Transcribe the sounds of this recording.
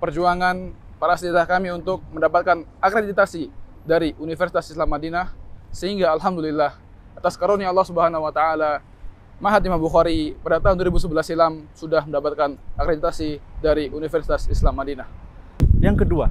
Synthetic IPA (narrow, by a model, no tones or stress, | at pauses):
pərd͡ʒuaŋan | paɾasət̪iat̪ahkamiunt̪ʊk̚məndapat̪̚kanakɾedit̪asi | daɾiʔunifərsi̥t̪asislamːadinahsəhiŋɡaːlɦamdulilːah | at̪askaɾoniaɑlːɑhsubəɦanawat̪aala | maɦat̪imambuxaɾipadat̪aɦunduoɾibus̬əbəlasilamsudahməndapat̪̚kanakɾedit̪asidaɾiʔunifərsi̥t̪asislamːadinahjaŋkədua